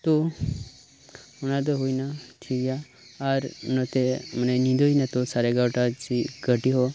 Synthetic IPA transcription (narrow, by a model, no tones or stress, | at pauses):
t̪o | unad̪əɦoinat̪ʰiɡja | aɾnət̪emənenĩd̪oinat̪osaɾeɡawʈat͡ʃiɡʱəʈiɦo